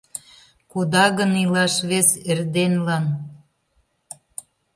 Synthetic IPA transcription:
kud̪ɑɣənilɑʃβeserd̪enlɑn

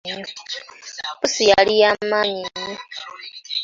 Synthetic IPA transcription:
ɲo | pusijalijamːaɲiɲːo

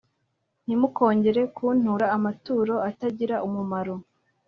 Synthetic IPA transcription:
n̥imuko̞ːɲɟe̞ɾe̞kʰuːn̥uɾaːmatuːɾo̞ataɟiɾaʔumumaɾo̞

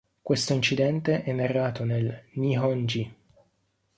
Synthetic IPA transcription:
kwest̪oint͡ʃid̪ɛnt̪eʔɛnːarːaːt̪onelniɦɔnd͡ʒi

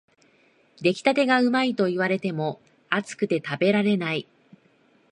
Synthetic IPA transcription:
d̪e̞kʲi̥t̪at̪e̞ɡaɯ̟mait̪o̞iβ̞aɾe̞t̪e̞mo̞ | at͡sɨ̥kɯ̟̥t̪e̞t̪abe̞ɾaɾe̞nai

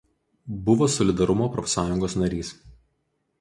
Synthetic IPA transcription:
bʊʋoːsɔlʲɪd̪ɐɾʊmoːpɾɔfʲsɑːjʊŋɡoːsnɐɾʲiːs

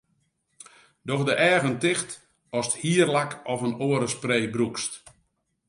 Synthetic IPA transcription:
dɔxdəʔɛːɣəntɪxt | ɔsthiərlakɔfənoːəɾəspreːbrukst

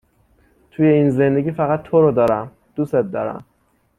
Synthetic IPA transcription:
t̪ʰujeiːnze̞nd̪e̞ɡʲiːfæɣæt̪ʰːoɾɔd̪ɒːɾæm | d̪̥uset̪̚d̪ɒ̰ːɾæ̰m

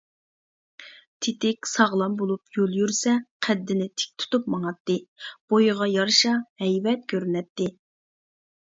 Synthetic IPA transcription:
t̪ʰɪt̪ɪkʲsɑʁlˠɑmbolˠupjolˠjyɾsɛqʰɛd̪ːɪnɪt̪ʰɪ̥k̚ʲt̪ʰu̥t̪up̚mɑŋɑt̪ːɨb̥ojʁɑjɑɾʃɑhɛjvɛt̪̚kʲʰøɾynɛt̪ːɪ

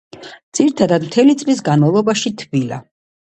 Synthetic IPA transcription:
d̪z̥iɾit̪ʰad̪ad̪mt̪ʰɛlit̪sʼlis̬ɡanmavlˠɔbaʃit̪ʰvila̰

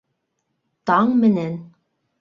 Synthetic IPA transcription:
t̪ɑɴmɘ̆næn

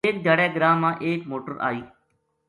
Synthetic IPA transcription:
eːkd͡ʒ̪aːɽɛːɡəɾaːmːãːʔeːkmoːʈəɾʔa̰ːiː

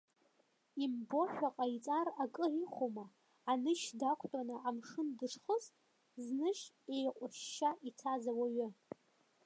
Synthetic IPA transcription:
imbo̞ʃᶣaqʼait͡sʼarakʼɨʕiχʷomaː | nɨʃdakʷʰtʼanɨʔamʂɨndɨʈ͡ʂʰχəz | znɨʃ | e̞jqʷʼʊʃʃaʔit͡sʰazawaɥʊ

